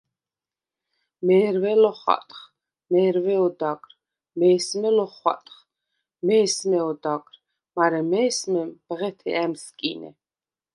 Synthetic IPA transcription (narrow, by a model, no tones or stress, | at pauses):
mɛːɾvɛlɔχa̰t̪ʼχ | mɛːɾvɛɔd̪akʼɾ | mɛːsmɛlɔχwa̰t̪ʼχ | mɛːsmɛɔd̪akʼɾ | maɾɛmɛːsmɛmbʁɛt̪ʰɛ̰ɛmskʼinɛ̰